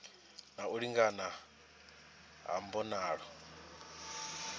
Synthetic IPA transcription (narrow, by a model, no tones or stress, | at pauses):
nauɺiŋɡana | ɦa̰mbɔnaːɺɔ